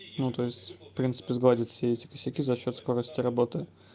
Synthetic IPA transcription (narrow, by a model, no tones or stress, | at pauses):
nut̪o̞ɪsʲtʲfpɾʲint̪sɨ̥pʲɪzɡlˠadʲɪt̪fsʲeɛtʲɪ̥kəsʲɪkʲizɐɕːo̞t̪sko̞ɾəsʲtʲɪɾɐbo̞t̪ɨ